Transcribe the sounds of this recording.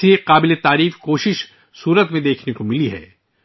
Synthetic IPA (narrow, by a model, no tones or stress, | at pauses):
eqaːbɪlet̪aːɾiːfkoːʃɪʃ | suːɾət̪mẽd̪eːkʰnekomɪliɦɛ̰ː